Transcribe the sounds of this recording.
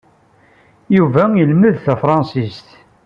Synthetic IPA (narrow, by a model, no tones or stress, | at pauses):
juvæjəlməðθæfɾˤɑnsist̪